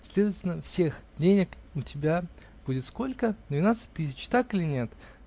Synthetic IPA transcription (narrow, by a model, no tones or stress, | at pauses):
sʲlʲed̪əvətʲɪlʲnəfsʲe̞xdʲenʲɪkʊtʲɪbʲa | b̥udʲɪt̪sko̞lʲkəd̪vʲɪnat̪sɨ̥t̚ʲt̪ɨsʲɪt͡ɕt̪akɨlʲɪnʲe̞t̪